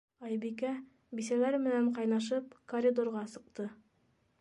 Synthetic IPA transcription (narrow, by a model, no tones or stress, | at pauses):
ɑjbikæ | bisælæɾmɘ̆næɴqɑjnɑʃ̬ɤpkorʲid̪orʁɑsɤ̆q̚t̪ɤ